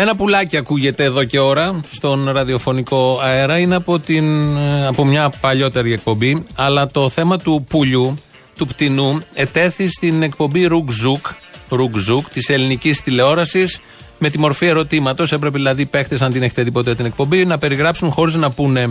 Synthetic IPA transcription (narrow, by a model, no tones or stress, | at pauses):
e̞nɐpulɐciɐkuʝe̞t̪e̞ːðo̞ce̞o̞ɾɐst̪o̞nɾɐðio̞fo̞niko̞ɐeɾɐineɐpot̪inɐpo̞mɲɐpɐʎo̞t̪e̞ɾie̞k̚po̞mbiɐlɐt̪o̞θe̞mɐt̪upuʎu | t̪upt̪inue̞t̪e̞θist̪ine̞k̚po̞mbiɾuɡzukɾuɡzukt̪ise̞linicist̪ile̞o̞ɾɐsis | me̞t̪imo̞ɾfie̞ɾo̞t̪imɐt̪o̞se̞pɾep̬eðilɐðipe̞xt̪esɐnd̪ine̞çet̪eðipo̞t̪eɐt̪ine̞k̚po̞mbinɐpe̞ɾiɣɾɐpsunxo̞ɾiznɐpune̞